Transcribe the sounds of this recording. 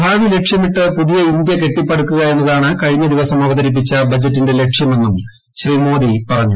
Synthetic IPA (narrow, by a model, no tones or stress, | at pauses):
bʱaːʋile̞kʂjɐmiʈːɨpuðijɐind̪jɐke̞ʈːipːɐɽukːuɣɐe̞nːɐðaːɳɨkɐɻiɲːɐd̪iʋɐsɐmɐʋɐðɐɾip̬ːit͡ɕːɐbɐd͡ʑɐtːinde̞le̞kʂjɐme̞nːum | ɕriːmo̞ːd̪ipɐrɐɲːu